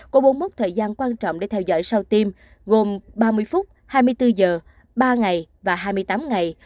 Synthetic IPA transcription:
kɔ˨˦ɓo˨˦nmo˦˥t̚t̪ʰəː˨˩jzaː˧nkwaː˧nt͡ɕɔ̰˧˨ŋ͡mɗḛ˧˥t̪ʰɛ˧wzɔ̰ː˧˨jsa˧wt̪i˧m | ɣo˨˩mɓaː˧mɨ˧əjfʊ˦˥t̚ | haː˧jmɨ˧əjt̪ɨ˧zəː˨˩ | ɓaː˧ŋa˨˩jvaː˨˩ɦaː˧jmɨ˧əjt̪aː˨˦mŋa˨˩j

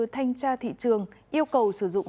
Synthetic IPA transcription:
t̪ʰa˧jŋ̟t͡ɕaː˧t̪ʰḭ˧˨t͡ɕɨ˨˩əŋʔi˧əwkə˨˩wsɨ˧˩zʊ̰˧˨ŋ͡m

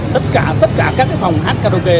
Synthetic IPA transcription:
t̪ə˦˥t̚kaː˧˩t̪ə˦˥t̚kaː˧˩kaː˦˥k̚ːa˨˦fa˨˩wŋ͡mhaː˦˥t̚kaː˧t̪o˧ke˧

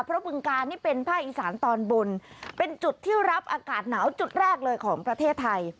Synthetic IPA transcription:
pʰɾɔ˦˥bɯ˧ŋkaː˧nːiː˥˩pe˧npʰaː˥˩k̚ʔiː˨˩sa̰ː˩˦nt̪ɔː˧nbo˧npe˧nt͡ɕu˨˩t̪ʰːiː˥˩ɾa˦˥p̚ʔaː˧kaː˨˩t̪̚naː˩˦wt͡ɕu˨˩t̪̚ɾɛː˥˩k̚lɤː˧jkʰɔː˩˦ŋpɾa˧t̪ʰeː˥˩t̪ʰːa˧j

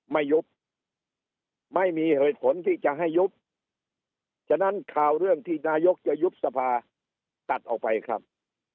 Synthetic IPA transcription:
ma˥˩jːu˦˥p̚ | ma˥˩jmiː˧heː˨˩t̪̚pʰo˨˦nt̪ʰiː˥˩t͡ɕa˨ɦa˥˩jːu˦˥p̚ | t͡ɕʰa˧˥na˦˥˩nkʰaː˨˩wɾɯ˥˩əŋt̪ʰiː˥˩naː˧jo˦˥k̚t͡ɕa˨˩ju˦˥p̚sa˧pʰaː˧ | t̪a˨˩t̪̚ʔɔː˨˩k̚pa˧jkʰɾa̰˦˥p̚

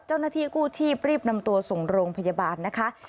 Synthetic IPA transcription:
t͡ɕa˥˩wnaː˥˩t̪ʰiː˥˩kuː˥˩t͡ɕʰiː˥˩p̚ɾiː˥˩p̚na˧mt̪u˧ɐso˨˩ŋɾoː˧ŋpʰa˧ja˧baː˧nːa˦˥kʰa˦˥ʔ

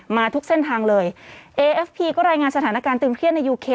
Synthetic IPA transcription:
maː˧t̪ʰu˦˥k̚se˥˩nt̪ʰaː˧ŋlɤː˧jʔeː˧ʔe˦˥fpʰiː˧kɔː˥˩ɾaː˧jŋaː˧nsa˧t̪ʰaː˩˦na˦˥kaː˧nt̪ɯː˧nkʰɾən̚a˧jːuː˧kʰeː˧

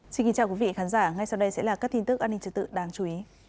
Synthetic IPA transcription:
si˧nki˨˦nt͡ɕaː˧wkwi˨˦vḭ˧˨xaː˨˦nzaː˧˩ŋa˧jsa˧wɗə˧jsɛ̰˧˥laː˨˩kaː˦˥k̪̚i˧nt̪ɨ˦˥ək̚ʔːnːi˧ŋt͡ɕɨ˧˩t̪ɨ̰˧˨ɗaː˨˦ŋt͡ɕu˨˦i˨˦

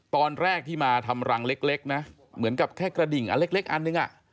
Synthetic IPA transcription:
t̪ɔː˧nɾɛː˥˩k̚t̪ʰiː˥˩maː˧t̪ʰa˧mɾa˧ŋle˦˥k̚le˦˥k̚na˦˥ | mɯ˩˦ənka˨˩p̚kʰɛː˥˩kɾa˧di˨˩ŋʔa̰˧le˦˥k̚le˦˥k̚ʔa˧nːɯ˨˩ŋʔa̰˨˩ʔ

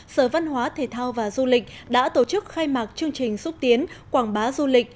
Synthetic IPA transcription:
səː˧˩va˧nɦwaː˨˦t̪ʰe˨˩t̪ʰaː˧wvaː˨˩zu˧lï˨˩k̟̚ | ɗa̰ː˧˥t̪o˧˩t͡ɕɨ˦˥k̚xaː˧jmaː˨˩k̚t͡ɕɨ˧əŋt͡ɕï˨˩ŋ̟sʊ˦˥p̚t̪i˨˦ənkwaː˧˩ŋɓaː˨˦zu˧lï˨˩k̟̚

